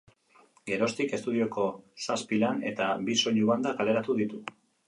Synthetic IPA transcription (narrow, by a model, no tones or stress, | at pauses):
ɡe̞ɾo̞st̪ike̞st̪uðio̞ko̞saspilane̞t̪abiso̞ʎuand̪akale̞ɾat̪uðit̪u